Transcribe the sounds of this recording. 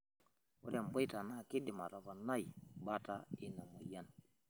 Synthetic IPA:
wu˦ɾa˨mbo˦jta˨na˦˨ki˦di˨ma˨ɾo˨ba˨na˦jba˦ta˦i˦na˨mo˨ja˦n

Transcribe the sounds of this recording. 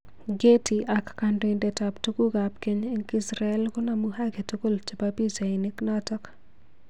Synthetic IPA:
ɡe˦ti˨ʔakːando˨indɛtaptu˦ku˦ɡapke˦ɲe˦ŋki˦sɾa˨ɛ˦lko˦namuha˦ɡe˨tu˦ko˦lt͡ʃi˨papi˦sa˨ini˦knɔtɔ˦k

